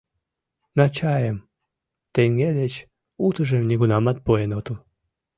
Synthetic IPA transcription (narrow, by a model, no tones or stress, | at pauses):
nɑt͡ɕɑjəm | t̪eŋɡed̪et͡ɕ | ut̪əʒemniɣunɑmɑt̪̚poenot̪əl